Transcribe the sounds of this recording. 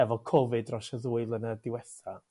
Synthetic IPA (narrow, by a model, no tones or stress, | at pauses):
ɛvɔkʰɔvɨdrɔʃaðuɨlˠənədɪwɛθa